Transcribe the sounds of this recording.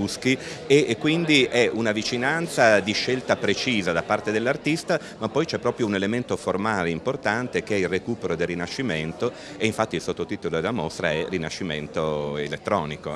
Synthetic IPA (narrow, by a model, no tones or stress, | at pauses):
uskiekːwind̪iʔɛunavit͡ʃinant̪sad̪iʃːelt̪apɾet͡ʃiːzad̪apːart̪ed̪elːart̪ist̪a | mapːɔjt͡ʃɛpːɾɔːpɾjounelement̪oformaːleimport̪ant̪ekeɛilrːekuːpeɾod̪elrːinaʃːiment̪o | eiɱfat̪ːiilsot̪ːot̪iːt̪olod̪elːamost̪ɾa̰ɛrinaʃːiment̪oḛlet̪ːɾɔːniko̰